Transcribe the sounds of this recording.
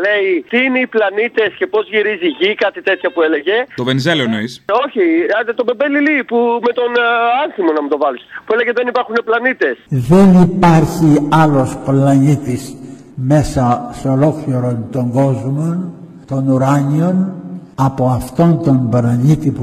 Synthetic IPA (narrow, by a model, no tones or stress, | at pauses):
le̞it̪iineiplɐnit̪e̞sce̞po̞zʝiɾiziʝikɐt̪it̪e̞t̪çɐpue̞leʝe̞t̪ovenizelonoiso̞çiɐd̪et̪o̞bebelilipume̞t̪o̞nɐnθimonɐmut̪o̞vɐlispuele̞ɣeðe̞nipɐɾxune̞plɐnit̪e̞sðe̞nipɐɾçiɐlo̞splɐnit̪is | me̞sɐsolo̞kliɾo̞nt̪o̞ŋɡo̞zmon | t̪o̞nuɾɐɲio̞nɐpo̞ɐft̪o̞nt̪o̞mblɐɲit̪ip